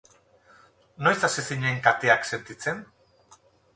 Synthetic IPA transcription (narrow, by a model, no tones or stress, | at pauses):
no̞jsasesiɲeŋkat̪eakse̞nt̪it͡se̞n